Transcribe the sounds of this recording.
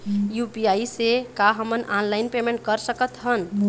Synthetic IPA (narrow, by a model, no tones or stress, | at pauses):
jupiaisekaɦəmənʔanlaɪinpemẽɳʈ̚kəɾsəkət̪ɦən